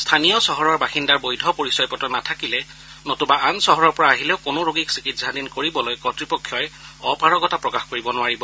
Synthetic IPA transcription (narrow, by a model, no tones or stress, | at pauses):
stʰanijɔsɔɦɔɹɔɹbaxindaɹbojdʱɔpoɹisɔjpɔtɔnatʰakilɛ | notubaʔansɔɦɔɹɔɹpɔɹaaɦilɛʊkonoɹoɡiksikitz̥ʱadinkoɹibɔlojkɔtɹipɔkʰːjɔjɔpaɹɔɡɔtapɹɔkaxkoɹibɔnʊaɹibɔ